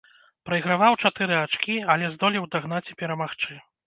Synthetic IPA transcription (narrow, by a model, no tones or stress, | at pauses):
pɾɐiɣɾavawt͡ʂat̪ɨɾɨat͡ʂkʲialʲɛzd̪ɔlʲiwd̪aɣnat͡sʲi̥pʲɛɾɐmaxt͡ʂɨ